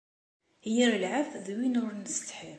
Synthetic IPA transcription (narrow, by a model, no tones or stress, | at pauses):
hjiɾəlʕafðwinʊɾnəst̪ħi